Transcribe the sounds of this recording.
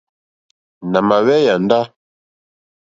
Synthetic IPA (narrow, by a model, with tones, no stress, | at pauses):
na˨ma˨wɛ˦ja˨n˦da˦